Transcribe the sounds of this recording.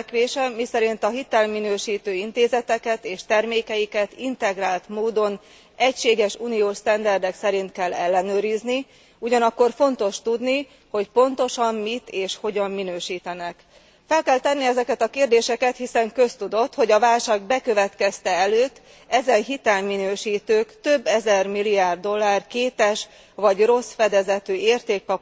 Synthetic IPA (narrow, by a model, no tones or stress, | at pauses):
kʋeːʃɛmisɛɾint̪ɒɦit̪ɛlminøːʃiːt̪øːint̪eːzɛt̪ɛkɛt̪eːʃt̪ɛrmeːkɛjikɛt̪int̪ɛɡraːlt̪moːd̪o̞n | ɛcʃeːɡɛʃuːnioːʃt̪ɛnd̪ɛrd̪ɛksɛɾint̪kɛlːɛlːɛnøːɾizni | uɟɒnɒkːo̞rfo̞nt̪o̞ʃt̪ud̪ni | ho̞cpo̞nt̪o̞ʃɒmːit̪eːʃho̞ɟɒmːinøːʃiːt̪ɛnɛk | fɛlkɛlt̪ɛnːiɛzɛkɛt̪ɒkeːrd̪eːʃɛkɛt̪hisɛŋkø̞st̪ud̪o̞t̪ho̞ɟɒvaːlʃaːɡbɛkø̞vɛt̪kɛst̪ɛɛløːt̪ː | ɛzɛnɦit̪ɛlminøːʃiːt̪øːkt̪ø̞bːɛzɛrmilːiaːrd̪o̞lːaːrkeːt̪ɛʃ | ʋɒɟro̞sfɛd̪ɛzɛt̪øːeːrt̪eːk̚pɒ